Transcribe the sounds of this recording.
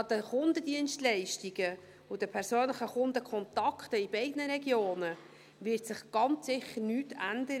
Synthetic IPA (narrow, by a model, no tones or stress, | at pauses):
ɑdəχʊndədiənstlɛɪʃtiɡə | ʊd̥əpʰɛɾsøːnləχəχʊndəkʰχɔnt̪ɑkʰtəibɛɪdnəɾɛɡjoːnə | ʋɪrtsɪχɡ̥ɑnt͡ssɪχːəɾnyːtʰænd̪əɾə